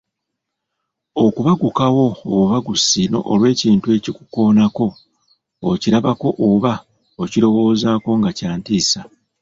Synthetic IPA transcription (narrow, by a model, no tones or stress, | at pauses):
o̞kuβaɡukawo̞oβuβaɡusino̞̰ʔolwe̞ːciːntue̞ːcikuko̞ːnako̞ː | ciɾaβako̞ʔoːβa | ociɾo̞wo̞ːzaːko̞ŋɡacaːntiːsa